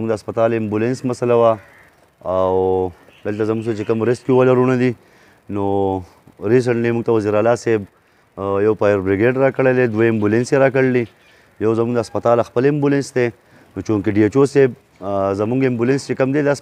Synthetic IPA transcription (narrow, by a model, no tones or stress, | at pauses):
muŋɡd̪ːspɐt̪aːlɪmbulensmasalawa | aw | d̪əlt̪azɐmuŋɡs̬et͡ʃekəmɾest̪kiuwalaɾunad̪i | no | ɾis̬əɳʈlimuɡt̪awɐziɾaːlaːseb̚ | jawpajəɾbɾiɡeɖɾakəɽeled̪weɪmbulenseɾakəɽli | jawzɐmuŋɡd̪aspɐt̪aːlaxpəlɪmbulensd̪e | not͡ʃũŋkeɖiet͡ʃoseb̚ | zɐmuŋɡɪmbulenst͡ʃekəmd̪ed̪s